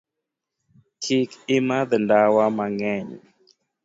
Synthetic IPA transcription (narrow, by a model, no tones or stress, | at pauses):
kʰikɪmaðndawamaŋɛɲ